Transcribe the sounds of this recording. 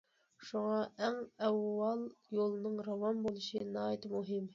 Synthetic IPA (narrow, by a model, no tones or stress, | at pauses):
ʃuŋɑʔɛŋɛwːɑlˠjolˠnɨŋɾɑwɑmbolˠɨʃɨnɑːt̪muɦɪm